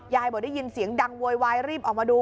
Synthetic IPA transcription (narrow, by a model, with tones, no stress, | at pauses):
jaː˧˩jbɔː˨˩˦a˥˩ji˧nsi˨˩˦əŋda˧ŋwu˧əjwaː˧jɾiː˥˩p̚ʔɔː˨˩k̚maː˧duː˧